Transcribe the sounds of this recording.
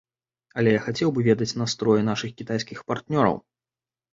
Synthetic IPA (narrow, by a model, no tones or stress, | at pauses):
ɐlʲɛjaxat͡sʲɛwbɨvʲɛd̪ɐt͡sʲnast̪ɾɔjɛnaʂɨxkʲit̪ajsʲkʲixpart̪nʲɔɾɐ̰w